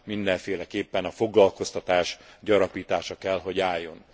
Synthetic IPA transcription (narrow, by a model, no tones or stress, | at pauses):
mind̪ɛɱfeːlɛkeːpːɛnɒfo̞ɡlɒlko̞st̪ɒt̪aːʃɟɒɾɒpiːt̪aːʃɒkɛlɦo̞ɟaːjːo̞n